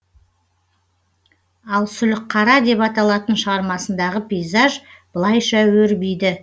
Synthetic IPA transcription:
ɑlˠsʏlɪqqʰːɑɾɑd̪e̞pɑt̪ɑlˠɑt̪ənʃəʁɑɾmɑsənd̪ɑʁəpʲijzɑʒb̥əlˠɑjʃɑwɵɾbijd̪ɪ

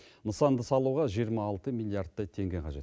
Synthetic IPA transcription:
nəsɑnd̪əsɑlˠuʁɑʒijəɾmɑːlˠt̪əmilˠijaɾt̪̚t̪ːɑt̪ʰe̞ŋɡʲeqʰɑʒe̞t̪

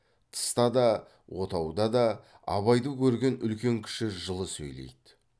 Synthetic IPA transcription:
t̪ʰə̥st̪ɑd̪ɑ | wʔo̞t̪ʰɑwd̪ɑd̪ɑ | ɑ̰βɑjd̪əkʲʰɵɾɡʲe̞nʏlkʲe̞ŋkʲʰɪ̥ʃɪʒəlˠəsɵ̰jle̞̰jd̪ɪ̥

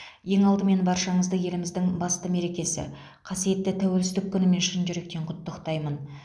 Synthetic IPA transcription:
je̞ŋɑlˠd̪əme̞nbɑɾʃɑɴəzd̪əje̞lɪmɪzd̪ɪŋbɑst̪əme̞ɾe̞kʲe̞sɪ̰ | qʰɑsije̞t̪ːɪt̪ʰæwe̞lsɪzd̪ɪkʲʰːʏnɪme̞nʃɪnʒʏɾe̞kt̪e̞ɴqʰʊt̪ːəqt̪ɑjmən

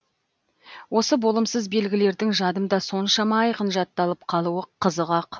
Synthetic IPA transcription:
wʔo̞səbo̞lˠəmsəzbe̞lɡʲɪle̞ɾd̪ɪŋʒɑd̪əmd̪ɑso̞nʃɑmɑːjqənʒɑt̪ːɑlˠəp̚qʰɑlˠuəqʰəzəʁɑq

